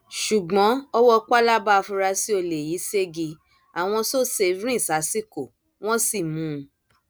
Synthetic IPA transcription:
ʃu˨ɡ͡bɔ̃˨˦ɔ˦wɔ˦k͡pa˦la˦ba˦˨˧fũ˧ɾa˧si˦o˧le˨ji˨˦se˦ɡi˧ | a˨w̃ɔ̃˧so˦˨se˧˨˧vɾ̃ĩ˦˨sa˨˦si˦ko˦˨ | w̃ɔ̃˦si˨mũ˨˦˧

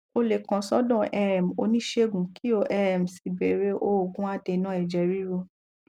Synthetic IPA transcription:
o˧le˨kã˨sɔ˦dɔ̃˦˨ʔɛ˧ɛ˨m˨o˧˦nĩ˦ʃe˦ɡũ˨˦ki˦o˧ʔɛ˧ɛ˨m̩˨si˨be˨˦ɾe˦ʔo˦˨ɡũ˦a˦˨te˧nã˦ɛ˨d͡ʒɛ˨˧ɾi˦ɾo˧

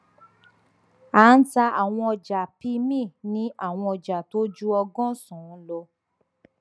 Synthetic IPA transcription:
aː˨˦n̩˦ta˧ʔa˨w̃ɔ̃˧ɔ˧d͡ʒa˨pi˧˦mĩ˦˨nĩ˦ʔa˦˨w̃ɔ̃˧ɔ˨d͡ʒa˨to˦d͡ʒu˦ɔ˧ɡɔ̃˦sɔ̃˨n̩˦lo˧

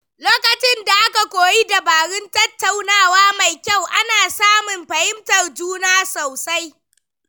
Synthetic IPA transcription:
loː˦kɐ˨t͡ʃɪ˦nda˨ʔa˦ka˨kʷoː˨ji˦da˨baː˨ɽɪ˦ntɐ˦tːa˨wnaː˦waː˦ma˨jkʲa˦˨wʔa˦naː˨saː˦mʊ˨mɸɐ˨hɪ˦mtɐ˨rd͡ʒuː˦naː˦sa˨wsa˦j

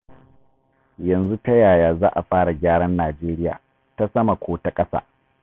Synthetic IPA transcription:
jɐ˨nzu˦ta˦jaː˨jaː˨zaː˦ʔa˨ɸaː˦ɽa˨ɡʲaː˦ɽɐ˦nːaː˨d͡ʒeː˦ɾɪ˦ja̰ː˨ | ta˦sɐ˦ma˨kʷʰoː˦ta˦kʼɐ˦sa̰ː˦

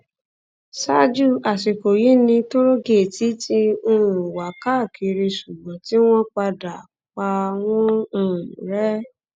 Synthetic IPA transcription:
sa˦d͡ʒu˦˨a˨ʃe˨ko˨ji˨˦nĩ˧to˦ɾo˦ɡe˦˨ti˨˦tʰi˦o˦˧ɾũ˨wa˨ka˦˨kʰi˨˧ɾe˧ʃu˨ɡ͡bɔ̃˨ti˦w̃ɔ̃˦k͡pa˧da˨ | k͡pa˧w̃ɔ̃˦˧ũ˨ɾɛ˦

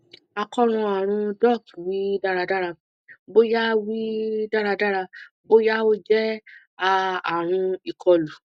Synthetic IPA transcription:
a˧kɔ˦˧ɾ̃ɔ̃˧a˨ɾ̃ũ˧dɔ˦˨kwi˦da˦˧ɾa˧da˦ɾa˧ | bo˦ja˦wi˦da˦ɾa˧da˦ɾa˧ | bo˦ja˦o˦d͡ʒɛ˦ | a˧a˨ɾ̃ũ˧i˨kʰɔ˧lu˨

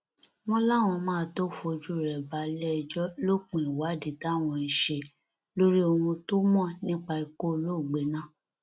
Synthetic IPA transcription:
w̃ɔ̃˦la˦˨w̃ɔ̃˧mãː˦˧to˦fo˧d͡ʒu˦˨ɾɛ˨ba˨˦lɛ˦˧d͡ʒɔ˦lo˦kũ˨i˨wa˨˦de˨˦ta˦˨w̃ɔ̃˧i˨ʃe˧ | lo˦ɾi˦o˧ɾũ˧to˦mɔ̃˦˨nĩ˦k͡pa˧i˧ko˦˧lo˦˨ɡ͡be˨˦nã˦˨

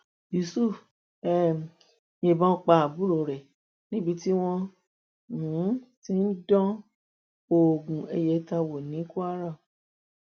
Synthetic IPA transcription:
ji˨su˦˨ | ɛ˦˨ | jẽ˧˨bã˦˧k͡pa˧˨a˨bu˨˦ɾo˨ɾɛ˨ | nĩ˦bi˧ti˦w̃ɔ̃˧ | n̩˨˦tĩ˧˦˧n̩˦dɔ̃˦ | o˨ɡũ˨e˧jɛ˨˦ta˧wo˨nĩ˨˦ku˦a˦ɾã˦˨

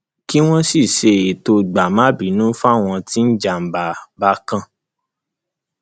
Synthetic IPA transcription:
ki˦w̃ɔ̃˦si˦˨ʃe˧e˨to˧ɡ͡ba˨mã˦bi˨˦nũ˦fa˦˨w̃ɔ̃˧ti˦n̩˦d͡ʒa˨m̩˨ba˨ba˦kã˧

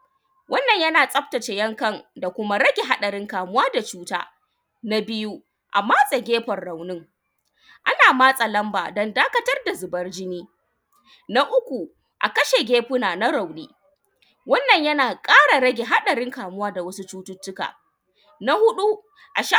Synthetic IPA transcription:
wɐ˦nːɐ˨ɲjɐ˦naː˨sʼɐ˦ɸ̚tɐ˨t͡ʃe˨jɐ˦ŋkɐ˦˨nda˨kʷʊ˦ma˦ɾɐ˦ɡʲe˨ɦa˦ɗɐ˨ɾɪ˦ŋkaː˨mʊ˦waː˦da˨t͡ʃuː˦ta̰ː˦ | na˦bɪ˦ju˦ | ʔa̰˨maː˦sʼa˨ɡʲeː˦ɸɐ˨rɽa˨wnɪ˦ŋ | ʔa˦naː˨maː˦sʼa˨lɐ˦mbaː˨dɔ˦ndaː˦kɐ˦tɐ˦rda˨zʊ˨bɐ˦rd͡ʒɪ˦niː˦ | na˦ʔʊ˦kʷu˨ | ʔa̰˨kɐ˦ʃe˨ɡʲeː˦ɸʊ˦naː˨na˦ɾa˨wniː˦ | wɐ˦nːɐ˨ɲjɐ˦naː˨kʼaː˦ɽa˨ɾɐ˦ɡʲe˨ɦa˦ɗɐ˨ɾɪ˦ŋkaː˨mʊ˦waː˦da˨wɐ˦su˦t͡ʃuː˦tʊ˦tːʊ˦ka̰ː˨ | na˦hʊ˦ɗu˦ | ʔa˨ʃa˦

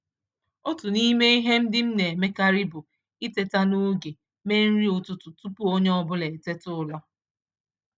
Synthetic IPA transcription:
o˦tu˨ni˦me˦i˦ɦe˦m̩˦dɪ˦m̩˦ne˨e˨me˦ka˦ɾi˦bʊ˨ | i˦te˨ta˦nu˦ɡe˨ | me˦n̩˦ɾi˦ʊ˦˨tʊ˨tʊ˨tu˦pu˦o˦ɲe˦ɔ˦bʊ˦le˨te˦tʊ˦lɔ˦

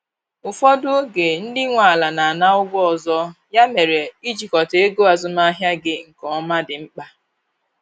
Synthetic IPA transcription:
ʊ˨fɔ˦dʊ˦ɡe˨n̩˦dɪ˦ŋʷa˨la˨na˨a˨na˦ʊ˦ɡʷɔ˦ɔ˨zɔ˦ja˦me˨ɾe˨i˦d͡ʒi˨kɔ˨te˦e˦ɡo˦a˨zʊ˦ma˦ɦja˦ɡɪ˦ŋ̩˨kɔ˨˦ma˦dɪ˨ŋ͡m̩˦k͡pa˦

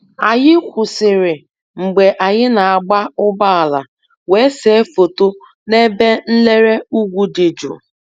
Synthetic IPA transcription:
a˨jɪ˦kʷʊ˨sɪ˨ɾɪ˨ | ŋ͡m̩˨ɡ͡be˨ʔa˨ɲɪ˦na˨a˨ɡ͡ba˦ʊ˦ba˦a˨la˨ | we˦se˨e˦fo˨to˦ | ne˦be˦n̩˦le˦ɾe˦u˦ɡʷu˦dɪ˨d͡ʒṵ˨

